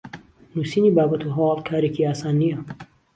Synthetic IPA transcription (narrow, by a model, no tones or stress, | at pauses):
nuːsiːnibaːbɐt̪ʰuɦɐwɑːlˠkʰaːɾeciaːsaːnːijɐ